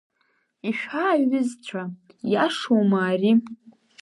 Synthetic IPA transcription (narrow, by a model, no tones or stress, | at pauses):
iʃᶣaːɪzt͡ɕʷʰa | jaʂomaːri